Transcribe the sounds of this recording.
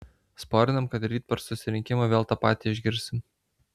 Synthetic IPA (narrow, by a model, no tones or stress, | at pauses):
spoːɾʲɪnɐmkɐt̪ɾʲiːt̪̚pʲɛɾsʊsʲɪɾʲɪŋʲkʲɪmoːʋʲeːlˠt̪ɑːpɑːt̪ʲiːɪʒʲɡʲɪɾʲsʲɪm